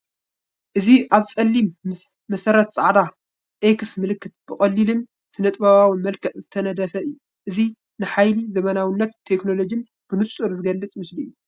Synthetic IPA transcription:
ʔɨziʔaβt͡sʼɐlːimː | ɐsɐɾɐt̪sʼaʕd̪a | ʔeksmɨlɨkʰːɨt̪̚b̥ɨχʼɐlːilɨn | z̥ɨnɐt̪ʼbaβawimɐlkʰɐʔzɨt̪ʰɐnɐd̪ɐfɐʔɨjːu | ʔɨzi | nɨħajlizɐmɐnawinːɐt̪ʰːekno̞lo̞d͡ʒin | b̥ɨnɨt͡sʼːuɾzɨɡɐlːɨt͡sʼmɨslijːu

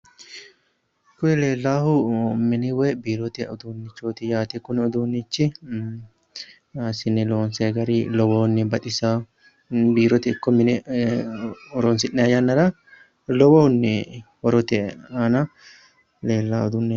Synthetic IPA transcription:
kːʊɛle̞ːlːaːhʊmɪnɪwɛbiːɾɔt̪ɛɔd̪uːnːɪt͡ʃːoːt̪ɪjaːt̪ɛkːʊnɛɔd̪uːnːɪt͡ʃːɪ | asɪnːɪloːnseːɡɐɾilɔwɔnːɪbɐt̪ʼɪsa | biːɾɔt̪ɛɪkːɔmɪnɛ | ɔɾonsɪnːɛɐjɐnːɐɾɐ | lɔwɔnːɪ | ɔɾɔt̪ɛanɐ | le̞ːlːaːɔd̪ʊnːɛ

